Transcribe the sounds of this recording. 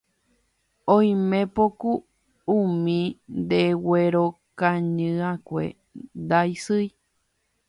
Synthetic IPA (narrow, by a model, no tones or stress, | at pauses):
õj̃mẽpoku | umĩnd̪eweɾokãɲɨ̃ãkʷḛ | d̪aisɨj